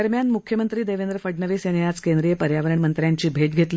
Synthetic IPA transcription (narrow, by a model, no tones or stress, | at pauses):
əɾmjanmukʰjəmənt̪ɾiːd̪eʋend̪ɾəfəɖnəʋeseneat͡skend̪ɾijəpəɾjaʋəɾəɳmənt̪ɾjaɲt͡ɕiːbʱeʈ̚ɡʱet̪li